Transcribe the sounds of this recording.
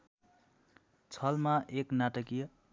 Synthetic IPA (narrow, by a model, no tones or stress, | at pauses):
t͡sʰʌlmaʔeknaʈʌkijʌ